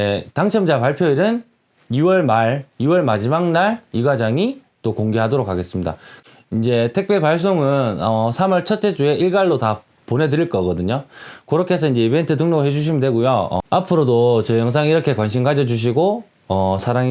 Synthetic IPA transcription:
taŋt͡ɕʰʌmd͡ʑapaɭpʰjoiɾɯn | iwʌɭmaɾiwʌɭmad͡ʑimaŋnaɭiɡad͡ʑaŋi | t͈okoŋɡeɦadoɾokʰːaɡe̞s͈ɯmɲida̰ | ind͡ʑe̞tʰe̞k̚p͈epaɭs̬͈oŋɯnʌsʰamʌɭt͡ɕʰʌt̚t͡ɕ͈e̞d͡ʑue̞ʔiɭɡaɭːota | ponɦe̞dɯɾiɭk͈ʌɡʌdɯɲokɯɾʌkʰesʰʌind͡ʑe̞ibe̞ntʰɯtɯŋnoɦe̞d͡ʑuɕ̬ʰimidwe̞ɡujoʌ̰apʰɯɾodot͡ɕejʌŋs̬ʰaŋiɾʌkʰe̞kwanɕʰimkad͡ʑʌd͡ʑuɕ̬ʰiɡo | ʌsʰaɾaŋi

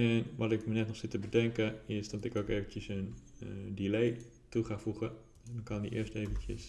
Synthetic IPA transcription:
ɛnʋɑtɪkmənɛtnɔχsɪtəbədɛŋkəɪsdɑtɪkowkejvəntəsəndilej | tuχaːfuχə | ɛdɔnkɑndḭʔɪ̰ːɹstejvəncə̰s

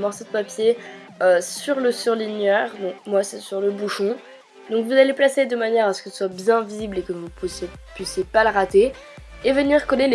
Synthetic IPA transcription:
mɔʁsod̪əpapje | øsyʁləsyʁlinjœʁd̪ɔ̃kmwasɛsyʁləbuʃɔ̃ | d̪ɔ̃kvuzaleplased̪əmanjɛʁasə̥kɛlswabjɛ̃viziblekəvuse | pɥisjepaləʁat̪e | evəniʁkɔlel

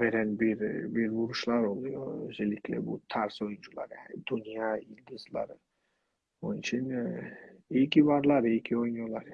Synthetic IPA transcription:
veɾænbiɾbiɾbuɾuʃlˠaɾolˠujoøzelikʰʲlɛ̰bʊt̪ʰaɾsojunt͡ʃʰulˠa̰ɾjanɪd̪unijɑild̪ɨzlˠa̰ɾ | onɪt͡ʃʰin | ekʲʰivaɾlˠaɾekʲʰiojnjolˠaɾ

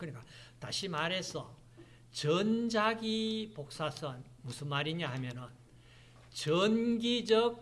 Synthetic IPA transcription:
kɯɲik͈ata̰ɕʰimaɾɦe̞sʰʌ | t͡ɕʌnd͡ʑaɡipok̚s͈asʰʌn | musʰɯnmaɾiɲaɦamjʌnɯn | t͡ɕʌnɡid͡ʑʌk̚

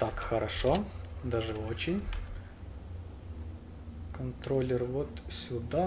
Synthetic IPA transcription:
t̪akxəɾʔɐʂod̪aʐɨot͡ɕɪnʲ | kɐnt̪ɾolʲɪrvot̪sʲʊd̪a

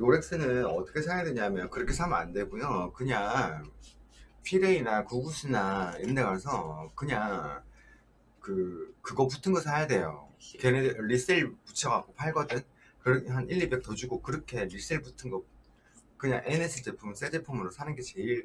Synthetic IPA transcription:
joɾe̞ks͈ɯnɯnʌt͈ʰʌ̥kʰe̞sʰajadwe̞ɲamjʌnkɯɾʌkʰe̞sʰamɯa̰ndwe̞ɡojokɯɲaŋ | pʰiɾeinakuɡuɕʰinaindeŋasʰʌkɯɲaŋ | kɯkɯɡʌp̬utʰɯnɡʌsʰajade̞jo̰keneɾis͈iɭput͡ɕʰʌɡak͈opʰaɭɡʌdɯn | kɯɾʌɦanʔiʎːibek̚t͈ʌd͡ʑuɡokɯɾʌkʰe̞ɾis͈iɭputʰɯnɡʌ | kɯɲa̰ŋʔenesʰɯt͡ɕe̞pʰums͈ed͡ʑe̞pʰumɯɾosʰanɯnɡe̞t͡ɕe̞iɭ

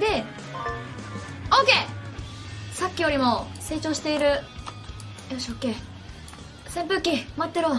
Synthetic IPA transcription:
d̪e | oke | sakʲːijo̞ɾʲimo̞se̞ːt͡ɕo̞ːɕi̥t̪e̞iɾɯ̟ | joɕoːkːe | sẽ̞mpɯ̟kʲːimat̪ːeɾo

